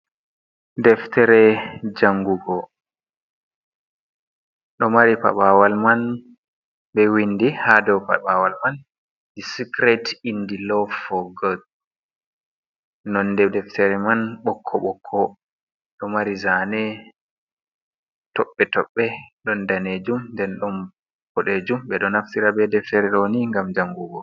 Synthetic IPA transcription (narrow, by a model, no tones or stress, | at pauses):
dɛftɛɾɛd͡ʒaŋɡuɡɔ | ɗɔmaɾipa̰ɓawalman | ɓɛwindihadɔwpa̰ɓawalman | disikɾɛtindilɔfɔɡɔd | nɔndɛdɛftʰɛɾɛmanɓɔkʰːɔɓɔkʰːɔ | ɗɔmaɾizanɛ | tɔɓːɛtɔɓːɛɗɔndaned͡ʒumndɛnɗɔn | pɔɗed͡ʒumɓɛɗɔnaftiɾabɛdɛftɛɾɛɗɔniŋɡamd͡ʒaŋɡuɡɔ